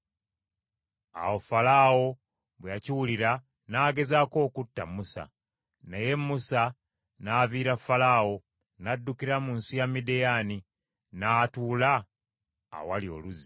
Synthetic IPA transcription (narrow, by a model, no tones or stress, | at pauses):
a̰wo̞falawo̞ | βwejaciwuliɾa | naːɡe̞zaːko̞ːkutːamusa̰ | neje̞mːusa | naːviːɾafːalaːwo̞ | nadːukiɾamuːnsijamidejani | naːtuːla̰ː | walio̞̰luzi